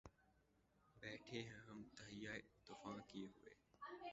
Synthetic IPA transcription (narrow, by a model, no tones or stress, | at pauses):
bɛːʈʰeːɦɛ̃ːɦəmt̪əɦɪjaːt̪ʊfãːkijeɦʊḛː